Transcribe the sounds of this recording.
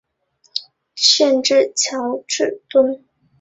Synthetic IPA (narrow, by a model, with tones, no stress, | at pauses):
ɕjɛ˥˧nʈ͡ʂɻ̩˥˩t͡ɕʰjɑ˧˥ʊʈ͡ʂɻ̩˥˩t̪wə˥n